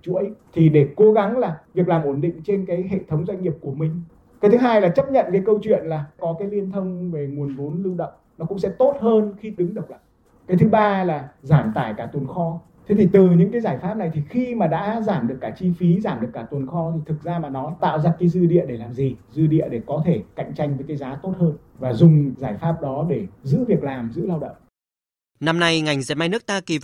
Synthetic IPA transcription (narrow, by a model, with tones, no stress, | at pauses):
t͡ɕu˧˥ə˦t̪ʰi˨˩ɗe˧˩ko˨˦ɣa˨˦ŋlaː˨˩vi˨˩ək̚laː˨˩mʔo˧˩nɗḭ̈˧˨ŋ̟t͡ɕe˧nkaː˨˦jɦḛ˧˨t̪ʰə˨˦wŋ͡mzwa˧ŋ̟ŋi˨˩əp̚ku˧˩əmï˨˩ŋ̟ | ka˨˦t̪ʰɨ˨˦ɦaː˧jlaː˨˩t͡ɕə˦˥p̚ɲə̰˧˨nkaː˨˦jkə˧wt͡ɕwḭ˧˨ənlaː˨˩kɔ˨˦kaː˨˦jli˧ənt̪ʰə˧wŋ͡mve˨˩ŋu˨˩ənvu˨˦nlɨ˧wɗə̰˧˨wŋ͡mnɔ˨˦kʊ̰˧˥ŋ͡msɛ̰˧˥t̪o˦˥t̚həː˧nxi˧ɗɨ˨˦ŋɗɨ˨˩k͡p̚la̰˧˨j | kaː˨˦jt̪ʰɨ˨˦ɓaː˧laː˨˩zaː˧˩mt̪aː˧˩jkaː˧˩t̪wə˨˩nxɔ˧ | t̪ʰe˨˦t̪ʰi˨˩t̪ɨ˨˩ɲɨ̰˧˥ŋkaː˨˦zaː˧˩jfaː˦˥p̚na˨˩jt̪ʰi˨˩xi˧maː˨˩ɗa̰ː˧˥zaː˧˩mɗɨ˨˩əkːaː˧˩t͡ɕi˧fi˨˦zaː˧˩mɗɨ˨˩əkːaː˧˩t̪wə˨˩nxɔ˧t̪ʰi˨˩t̪ʰɨ˨˩k̚zaː˧maː˨˩nɔ˨˦t̪a̰ː˧˨wzaː˧kaː˨˦jzɨ˧ɗḭ˧˨əɗe˧˩laː˨˩mzi˨˩zɨ˧ɗḭ˧˨əɗe˧˩kɔ˨˦t̪ʰe˧˩ka̰˧˨jŋ̟t͡ɕa˧jŋ̟vəː˨˦jkaː˨˦jzaː˨˦t̪o˦˥t̚həː˧n | vaː˨˩zʊ˨˩ŋ͡mzaː˧˩jfaː˦˥p̚ɗɔ˨˦ɗe˧˩zɨ̰˧˥vi˨˩ək̚laː˨˩mzɨ̰˧˥laː˧wɗə̰˧˨ŋ͡m | na˧mna˧jŋa˨˩jŋ̟ze˨˩ma˧jnɨ˦˥k̚t̪aː˧ki˨˩